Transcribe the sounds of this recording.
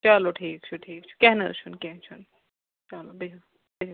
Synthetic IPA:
t͡ʃɐloʈʰiːk̚t͡ʃʰuʈʰiːkt͡ʃʰu̥kɛɦnɐɾt͡ʃʰunkɛɦt͡ʃʰun | t͡ʃɐlobii | bed͡ʒ

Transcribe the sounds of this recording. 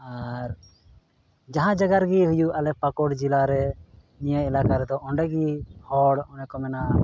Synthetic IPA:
aɾ | d͡ʒaɦãd͡ʒaɡaɾɡihujualɛpakɔɽd͡ʒilaɾɛ | nijaɛlakaɾɛd̪ɔɔɳɖɛɡihɔɽɔnɖɛkɔmɛna

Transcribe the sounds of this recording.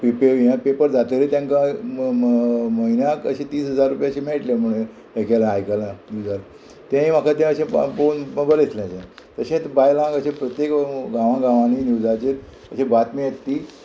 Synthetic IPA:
pipeʋijãpepəɾd͡zat̪eɾet̪jãŋkã | məinãkəɕẽt̪iːsɦəd͡zaɾːupjaɕẽmeʈlẽm̤uɭ̃e | ekalãajkalanud͡zal | t̪ẽĩmakʰat̪ɛ̃əɕẽfonəbəljet̪lẽəɕẽt̪əɕẽt̪bajlãŋɡəɕẽpɾət̪jekɡãʋãɡãʋãninuwd͡zat͡ɕet̪ | əɕẽbat̪mĩet̪ːiː

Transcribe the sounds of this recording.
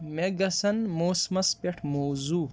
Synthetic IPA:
meɡɐsɐnmoːsmɐspeʈʰmoːzuː

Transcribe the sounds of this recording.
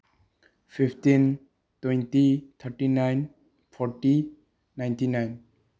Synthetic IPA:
pʰipʰtin | twejntit̪ʰəɾʈinajn | pʰɔɾʈi | najntinajn

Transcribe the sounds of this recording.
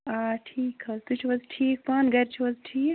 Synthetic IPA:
aːʈʰiːkɐzt̪ut͡ʃʰiʋɐzʈʰiːk̚paːnɡɐɾt͡ʃʰuʋɐzʈʰiːk

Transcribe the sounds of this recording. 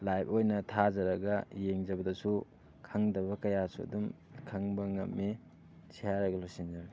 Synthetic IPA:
lajpʰojnɐtʰazɐɾɐɡɐjeŋd͡ʒɐbɐdɐsu | kʰɐŋdɐβɐkɐjasuɐ̰dum | kʰaŋbɐŋɐmːe | sʰijaɾɐɡɐlojsind͡ʒɐɾɡi

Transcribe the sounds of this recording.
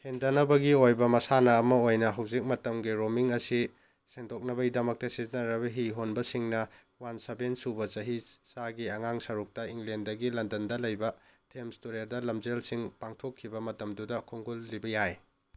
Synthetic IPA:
hendɐnɐbɐɡiojbɐmɐsanɐːmɐojnɐɦɐwzik̚mɐtɐmɡiɾomiŋɐsi | seŋdok̚nɐbɐidɐmɐk̚tɐsiznɐɾɐβɐɦiɦonbɐsiŋnɐ | wansɐbensubɐt͡ʃɐɦisaɡiɐŋaŋsɐɾuk̚tɐiŋɡlendɐɡilɐndɐndɐlɐjbɐtʰemstoɾeɾdɐlɐmd͡ʒelsiŋpaŋtʰokʰːibɐmɐtɐmdudɐkʰoŋɡulːibɐjaj

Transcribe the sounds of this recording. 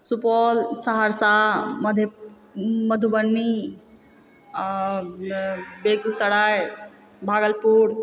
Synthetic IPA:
supɔlsaɦaɾsamd̪ʱ | məd̪ʱubənːi | beɡusəɽaj | bʱaːɡəlpuɽ

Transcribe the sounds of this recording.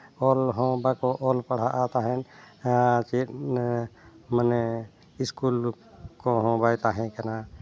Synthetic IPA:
olɦõbakoʔolpəɽ̤aʔaːt̪aɦɛn | t͡ʃi | məne | ɪskuːl | koɦõbajt̪aɦɛ̃kəna

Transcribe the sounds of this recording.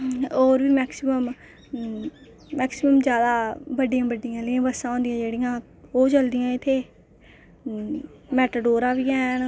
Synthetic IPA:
oːɾbiːmɛːksɪməm | mɛːksɪməmd͡ʒjaːd̪aːbəɖɪjãːbəɖɪjãːlɪjãːbəsãːɦõːnd̪ɪjãːd͡ʒeːɽɪjãː | oːt͡ʃəld̪ɪjãːɪt̪ʰeː | mɛːʈəɖoːɾaːbiːɛːn

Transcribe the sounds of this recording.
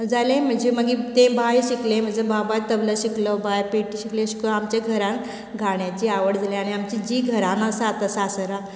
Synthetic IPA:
d͡zalẽm̤əɳd͡zem̤əɡit̪ẽbʱajɕiklẽm̤əɳd͡zebabat̪ːəbləɕiklɔbʱajpeʈiɕikleɕi̥klɔamt͡ɕaɡʱəɾãn | ɡʱaɳjat͡ɕiːaʋəɽd͡zalẽaɽ̃iamt͡ɕid͡ʑiːɡʱəɾãnəsat̪əsasəɾa

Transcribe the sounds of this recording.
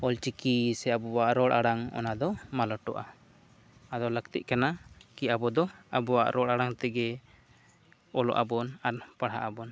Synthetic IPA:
ɔlt͡ʃikisɛabɔwaʔɾɔɽʔa̰ɽaŋɔ̰nad̪ɔmalɔʈɔʔa | ad̪ɔləkt̪ḭʔ̚kanakiabɔd̪ɔabɔwa̰ʔɾɔɽaɽaŋt̪ɛɡɛ | ɔlɔ̰ʔabɔnaɾpaɽɦaʔabɔn

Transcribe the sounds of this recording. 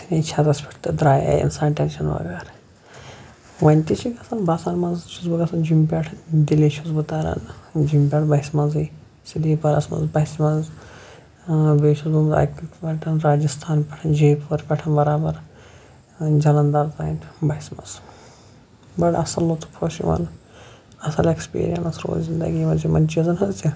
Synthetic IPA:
sinet͡ʃʰad̪ɐspʰʲi̥ʈʰt̪ɐd̪ɾaːja̰ḭnsaːnʈenʃʰɐnʋɐ̰ɡɐːɾ | ʋɐnʲt̪it͡ʃʰikɐsɐnbasaːnmɐnzt͡ʃʰuzbɨɡɐsɐnd͡ʒimpʲeʈʰd̪ilit͡ʃʰuzbɨt̪aːɾɐ̰nd͡ʒimpʲeʈʰbɐɦismɐnzɨ | silipɐɾɐ̰smɐ̰nzbɐismɐz | ʋeːʃuzbumza̰ːkikmɐɳʈɐnɾaːd͡ʒɐst̪ʰaːnpʲɛ̥ʈʰɐnd͡ʒeːpːɐɾpʲɛʈʰɐnbɐɾaːbɐɾ | d͡ʒɐlɐnd̪ɐɾt̪ainbɐɦismɐ̰z | bɐʈɐ̰sɐlːot̪u̥pʰɾoʃḭʋɐ̰n | ɐsɐlekspḭːɾijɐ̰nɐsɾo̰ːlzind̪ɐ̰ɡimɐzimɐnt͡ʃiɐzɐnɦɐzd͡ʒi

